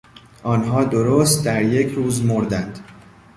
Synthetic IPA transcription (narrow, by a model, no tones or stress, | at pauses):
ʔɒːnɦɒːd̪oɾost̪̚d̪æɾje̞cʰɾuːzmoɾd̪ænd̪̥